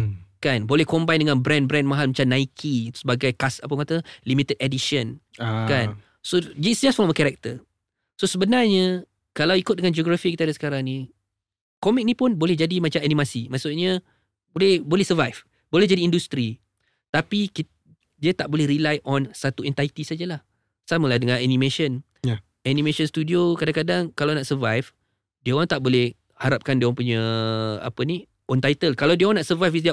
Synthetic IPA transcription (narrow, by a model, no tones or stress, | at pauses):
kanbolɛhkɔmbajndəŋãnbɾɛ̃nbɾɛ̃nmaɦalmãt͡ʃamnaikʰit̪u̥səbaɡajkasapəkat̪əlimit̪ədɛdiʃənkan | sodəsd͡ʒɛsfɔlmfkɛɾɛk̚t̪ə | sosəbənarɲə | kalawikʊt̪̚dəŋand͡ʒioɡɾafikit̪adasə̥kaɾaŋni | kɔmik̚nipʊnbolɛhd͡ʒadimãt͡ʃaanimasimasʊʔɲa | bolɛhbolɛhsəvajf | bolɛhd͡ʒadiːndust̪ɾi | t̪apiki | diat̪aʔbolɛhɾilajʔɔnsat̪uɛnt̪ait̪isad͡ʒalah | saməladəŋãnanĩmẽʃən | anĩmẽʃonst̪udiokadãŋkadaŋkalawnaʔsəvajf | diaãŋt̪aʔbolɛh | haɾap̚kandiwaŋpuɲaa̰pəni | ɔnt̪ajt̪əlkalawdiəoanaʔsəvajfisda